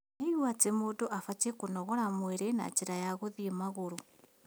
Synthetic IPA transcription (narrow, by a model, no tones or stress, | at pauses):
neiwat͡semoːdoʔafatekonɔɣɔɾamweɾena̰t͡ʃeɾajaɣoðiemaɣoɾo